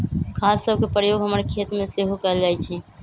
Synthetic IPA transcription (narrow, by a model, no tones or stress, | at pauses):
kʰasːəbkepɾəjoɡʱɦəməɾkʰet̪meseɦokəld͡ʒajt͡ʃʰɛ